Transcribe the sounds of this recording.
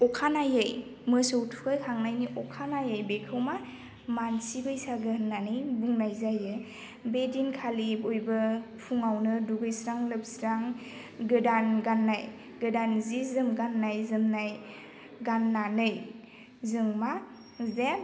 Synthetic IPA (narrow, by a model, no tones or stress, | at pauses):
ɔkʰanajɯjmɯsowtʰu̥kʰajkʰaŋnajniʔɔkʰanajajbekʰɯwma | mansibɯjsaɡɯnanɯjbuŋnajzajɯ | bedinkʰalibojbɯpʰuŋawnɯduɡɯjsɾaŋlɯp̚sɾaŋ | ɡɯdanɡanːaj | ɡɯdanzizɯmɡanːajzɯmnaj | ɡanːanɯj | zɯŋma | zem